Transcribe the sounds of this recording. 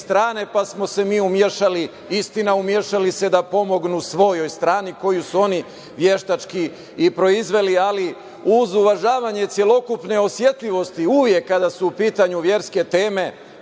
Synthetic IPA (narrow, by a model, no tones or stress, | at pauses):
st̪ɾaːne̞pasmo̞se̞miːumje̞ʃali | ist̪inaumje̞ʃalise̞d̪apo̞mo̞ɡnusʋo̞jo̞jst̪ɾaːniko̞jusuo̞ni | ʋje̞ʃt̪at͡ʃki | ipɾo̞izʋe̞liali | uzuʋaʒaːʋaɲe̞t̪sje̞lˠo̞kupne̞o̞sje̞t̪lʎiʋo̞st̪iuʋje̞kːad̪asuupiːt̪aɲuʋje̞ɾske̞t̪e̞ːme̞